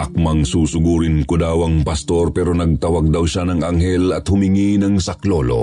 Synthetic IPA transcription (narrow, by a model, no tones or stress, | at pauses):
ʔɐk̚mɐŋsuːsʊɡuːɾɪnkʊd̪awɐŋpɐst̪o̞ɾpɛːɾo̞nɐɡ̚t̪ɐwaɡ̚d̪ɐwʃanɐŋɐŋɦɛlɐt̪hʊmɪŋinɐŋsɐklolo̞̰